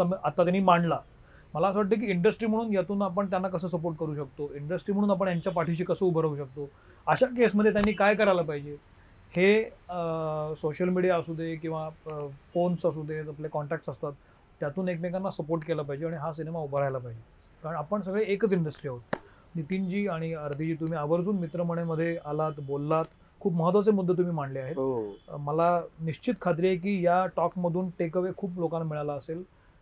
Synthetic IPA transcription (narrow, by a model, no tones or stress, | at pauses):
aat̪ːat̪janːiːmaɳla | məlasʋaʈ̬̪̚ːək̬iːiɳɖəsʈɾiːm̤əɽuːnjat̪uːnap̬əɳt̪janːakəsəːs̬əp̬oɾʈ̚kəɾuːɕək̚t̪oiɳɖəsʈɾiːm̤əɽ̃uːnap̬əɳjaɲt͡ɕjapaʈʰiɕ̬iːkəsəubʱəɾauɕək̚t̪o | əɕak̬esməd̪ʱːjet̪janːiːkajkəɾajlapaɦid͡ʑe | he | soɕəlmiɽijaːsud̪ʱekĩw̃ʋafonsas̬ud̪ʱeaplekɔɳʈækʈsəst̪at̪ː | jat̪uːnek̚mek̬anːasəpoɾʈkelapaɦid͡ʑeaɽ̃iɦasinemaupɾajlapaɦid͡ʑe | kaɾəɳapəɳs̬əɡɭeekət͡siɳɖəsʈɾiːaɦot̪ | nit̪ind͡ʑiːaɽ̃iəɾd̪ʱit͡ɕiːt̪um̤iːaʋəɾd͡zuːnmit̪ɾəməɳ̃eməd̪ʱːjealat̪bolːat̪ | kʰuːpməɦət̪ʋat͡semud̪ʱːet̪um̤iːm̤aɳleaɦetməlaniɕt͡ɕit̪kʰat̪̬ɾijek̬iːjaʈɔkməd̪ʱuːnʈekəʋekʰuːplokãnːamiɭalaəsel